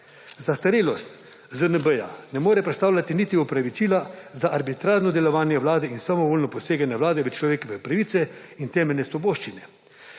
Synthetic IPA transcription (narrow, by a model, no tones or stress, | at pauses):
zast̪aɾeːlɔst̪ | zənəbəja̰nɛmoːɾɛpɾɛt̪st̪awlʲat̪iniːt̪iɔpɾaʋit͡ʃiːlazaʔaɾbit̪ɾaːʒnɔd̪ɛlɔʋaːnjɛʋlaːd̪ɛinsamɔʋoːlnɔpɔseːɡanjɛwlaːd̪ɛʋət͡ʃlɔʋeːkɔʋɛpɾaʋiːt̪sɛint̪ɛːmɛlʲnɛsʋɔboːʃt͡ʃinɛ